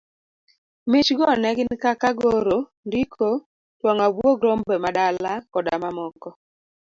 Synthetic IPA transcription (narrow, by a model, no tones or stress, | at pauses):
mɪt͡ʃɡɔnɛɡɪnkakaɡoɾo | ndikʰo | twɔŋabwoɡɾombɛmadalakɔdamamɔkɔ